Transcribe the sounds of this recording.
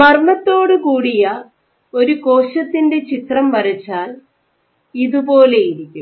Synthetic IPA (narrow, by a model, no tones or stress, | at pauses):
mɐrmɐt̪ːo̞ːɽɨkuːɽijɐ | o̞ɾuko̞ːɕɐt̪ːinde̞t͡ɕit̪rɐmʋɐɾɐt͡ɕːaːl | iðupo̞ːle̞jiɾikʲːum